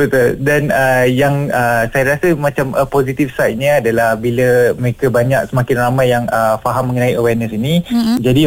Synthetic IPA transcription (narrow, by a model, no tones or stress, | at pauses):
bət̪ʊldanəjaŋəsajaɾasəmãt͡ʃamʔəposit̪ifsajt̪̚ɲəadalahbiləməɾekəbaɲak̚səmakɪnramãjaŋəfaɦamːə̃ŋənaiəwɛrnəsinid͡ʒadi